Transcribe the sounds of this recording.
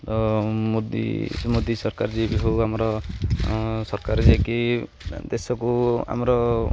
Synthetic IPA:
t̪ɔmod̪ḭmod̪isɔɾkaɾd͡ʒebiɦoamɔɾɔ | sɔɾkaɾɔd͡ʒeki | d̪esɔkua̰mɔɾɔ

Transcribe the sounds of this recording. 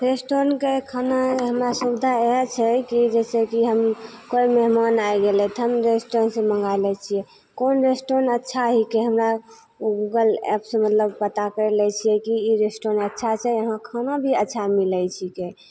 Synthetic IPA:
ɾesʈoɾənkekʰanaɦəmɾasubd̪ʱaeɦt͡ʃʰɛkid͡ʒɛsekiɦəmkoimeɦmanajɡelɛt̪ɦəmɾesʈoɾnsẽmə̃ŋɡalɛt͡ʃʰijɛ | konɾesʈoɾənətːʃʰaɦikeɦəmɾa | ɡuɡəlɛ̰psẽmət̪ləbpət̪akəɾɛlɛt͡ʃʰijɛkiiɾesʈoɾnətːʃʰat͡ʃʰɛəɦãkʰanabʱiətːt͡ʃʰamilɛjt͡ʃʰike

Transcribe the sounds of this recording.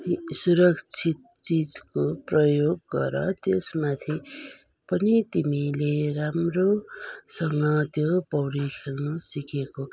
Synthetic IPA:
suɾʌkt͡sʰit̪̚t͡sid͡zkoprʌjoɡːʌ̰ɾʌ̰t̪jesmat̪ʰi | pʌnit̪imileɾamrosʌŋʌt̪jopʌwɾikʰelnʌsikeko

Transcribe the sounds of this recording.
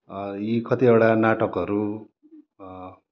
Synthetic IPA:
ikʰʌt̪iewɽanaʈʌkɦʌɾu

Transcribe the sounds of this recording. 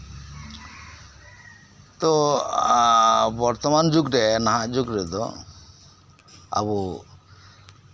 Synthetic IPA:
t̪ɔ | bɔɾt̪ɔmand͡ʒuɡɾɛnaɦaʔd͡ʒuɡɾɛd̪ɔ̰ | a̰bu

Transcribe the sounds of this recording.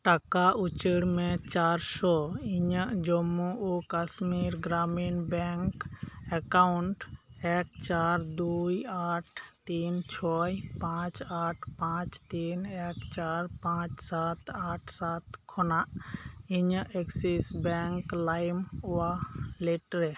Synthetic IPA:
ʈakaut͡ʃəɽmẽt͡ʃaːɾsɔiɲəʔd͡ʒomuukasmiɾɡɾaminbɛŋkɛkaʊɳʈekt͡ʃaɾd̪ujaːʈʰt̪iːnt͡ʃʰɔjpãt͡ʃaːʈʰpãt͡ʃt̪iːnekt͡ʃaːɾpãt͡ʃsaːt̪ʰaːʈʰsaːt̪kʰɔna | iɲəʔeksisbɛŋklajmualeʈɾɛ

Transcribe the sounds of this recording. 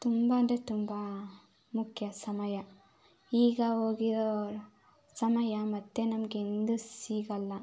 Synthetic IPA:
t̪umbɐnd̪et̪umbɐ | mukʰjɐsɐmɐjɐ | iːɡɐɦoːɡiɾoɾ | sɐmɐjɐmɐt̪ːenɐmɐɡeend̪usiːɡɐlːɐ

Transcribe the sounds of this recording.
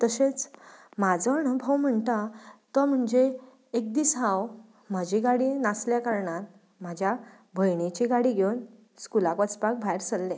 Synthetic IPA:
t̪əɕet͡smad͡zəːɳəbʱəwm̤əɳt̪at̪ɔm̤əɳd͡ʑeː | k̚d̪iːsɦaw | m̤ad͡ʑiɡaɽinasljakaɾɳat̪̚ | m̤ad͡ʑʱja | bʱəjɳet͡ɕiɡaɽiɡʱewn | skulakʋət͡spak̚bʱajɾsəlːe

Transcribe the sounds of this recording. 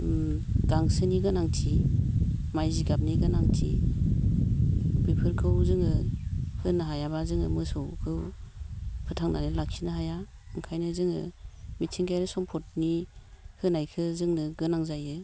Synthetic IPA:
ɡaŋsɯniɡɯnaŋtʰi | majziɡap̚niɡɯnaŋtʰḭ | bipʰɯɾkʰɯwzɯŋɯhɯnɯɦajaβazɯŋɯ̰mɯsɔwkʰɯw | pʰɯtʰaŋnanilak̚sʰinaɦajaɯŋkʰajnɯzɯŋɯ̰mitʰiŋɡajɾɯsɔŋpʰɔt̚nihɯnajkʰɯzɯŋnɯɡɯnaŋzajɯ

